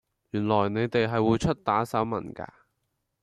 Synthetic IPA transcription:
jyː˨˩nlɔː˨˩jne˨˧jt̪e˨jɦɐ˨jwuː˨˧jt͡ʃʰɵ˥t̚t̪aː˨˥sɐ˨˥wmɐ̰˨˩nka̰ː˧

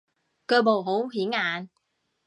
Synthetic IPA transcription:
kœː˧mo˨˩wɦo˨˥wɦiː˨˥ŋaː˨˧n

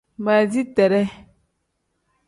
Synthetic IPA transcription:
ma˨zi˦tɛ˨ɾɛ˦

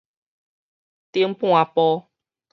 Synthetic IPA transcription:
t̪i˧˦m̩˦pũ˦˨a˧pɔ˦

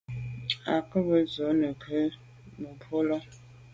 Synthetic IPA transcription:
a˨kə˦bə˨zo˨˦nə˨kʰə˦ | mə˨pʰo˦lɔ˦

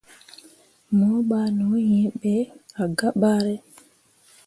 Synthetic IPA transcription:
mɔ˨˦ɓa˨no˨˦jɛ̃˦ɓɛ˦a˨ɡa˦ɓa˦ɾɛ˦

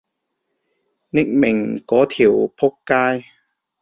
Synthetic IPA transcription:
ni˦˥˩k̚me˨˩ŋkɔː˨˦t̪ʰi˨˩wpʰo˦˥kːaː˧˥˧j

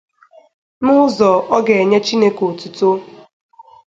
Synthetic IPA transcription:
mʊ˦ʊ˦zɔ˨ɔ˦ɡe˨e˨ɲe˦t͡ʃi˦ne˦ko˨tu˨to˦

